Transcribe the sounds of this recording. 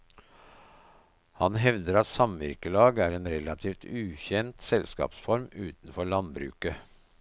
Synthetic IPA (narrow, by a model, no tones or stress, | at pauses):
hɑnɦɛʋd̪əɾɑt̪sɑmʋɪ̰ɾkəlɑːɡæːɾeːnɾɛlɑt̪ʰiːft̪ʉːçɛnt̪sɛlskɑ̰ːpsfɔɾmʉːt̪n̩fɔɭɑnbɾʉ̰ːkə